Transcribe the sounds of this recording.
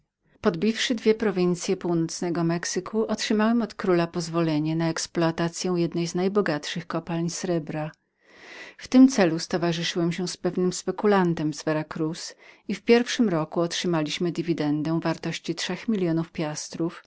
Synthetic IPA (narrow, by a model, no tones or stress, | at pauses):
pɔd̪bʲifʂɘd̪vʲjɛpɾɔvʲint̪sʲjɛpuwnɔt̪snɛɡɔmɛksɘkʰuʔɔtʂɘmawɛmɔt̪kɾulapɔzvɔlɛɲɛnaɛksplɔat̪at̪sʲjɛw̃jɛd̪nɛjznajbɔɡatʂɘxkɔpalɲsɾɛbɾa | ft̪ɘmt̪sɛlust̪ɔvaʐɘʂɘwɛmɕɛspɛvnɘmspɛkulant̪ɛmzvɛɾakɾusifpʲjɛɾfʂɘmɾɔkuɔtʂɘmalʲiɕmɘd̪ivʲid̪ɛnd̪ɛw̃vaɾt̪ɔɕt͡ɕitʂɛxmʲilʲjɔnufpʲjast̪ɾuf